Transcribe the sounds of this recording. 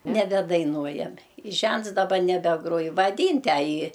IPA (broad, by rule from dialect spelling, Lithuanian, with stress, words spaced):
nʲɛbʲɛdɐɪˈnuɔjɛmʲɛ ɪ ˈʒʲɛnts dɐˈbɐ nʲɛbʲɛˈɡruɔj ʋɐˈdʲiːn tʲæː ˈjiː